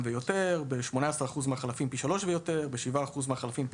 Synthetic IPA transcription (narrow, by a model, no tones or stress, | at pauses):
vejo̞te̞ʁbe̞ʃmo̞naasaʁaχuzmeaχalafimpiʃalo̞ʃvejo̞t̪e̞ʁbeʃivaːχuzmeaχalafimp